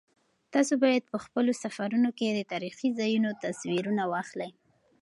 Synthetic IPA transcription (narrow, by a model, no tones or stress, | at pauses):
t̪ɑsobɑjad̪̚pəxpəlosafaɾunoked̪ət̪ɑɾixizajunot̪aswiɾunawɑxlaj